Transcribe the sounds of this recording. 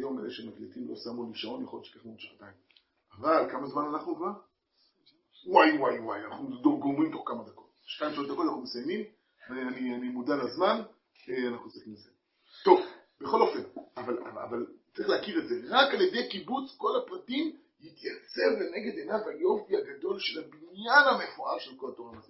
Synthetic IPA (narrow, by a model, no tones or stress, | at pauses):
ajo̞mezeʃemavlitimlo̞samuliʃao̞njaχolott͡ʃe̥i̥kaχuodʃaat̪aim | avalkamazmananaχnuva | wajwajwajanaχnudoɡomʁimtoχkamad̪ako̞t̚ʃtajmʃalotd̪akot̪anaχnumesajemim | anianianimud̪alazman | eanaχnut͡sikimleze | t̪o̞vb̥eχo̞lo̞fe̞navalaa̰valt͡sʁiχleakiʁetzeʁakalje̞d̪e̞jkibut͡sko̞lapʁatim | hit̪jat͡se̞vlene̞ɡe̞d̪enavhajo̞fiaɡad̪o̞lʃe̞labinjanhame̞fuʔaʁʃelko̞lat̪oʁamaze